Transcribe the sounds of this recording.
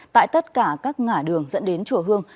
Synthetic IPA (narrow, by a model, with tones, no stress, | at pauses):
t̪a̰ː˧˨jt̪ə˦˥t̚kaː˧˩kaː˦˥k̚ŋaː˧˩ɗɨ˨˩əŋzə̰˧˥nɗe˨˦nt͡ɕu˧˩ɦɨ˧əŋ